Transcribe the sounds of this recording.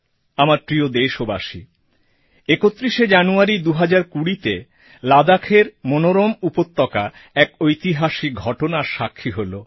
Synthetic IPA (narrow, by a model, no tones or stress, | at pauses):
amaɾt̪ɾiod̪eʃobaʃḭ | ekot̪ːɾiʃed͡ʑanuaɾid̪uɦad͡ʑaɾkuɽit̪e | lad̪akʰeɾmonoɾomupot̪ːɔka | ɛkojt̪iɦaʃiɡʱɔʈonaɾʃakʰːiɦolo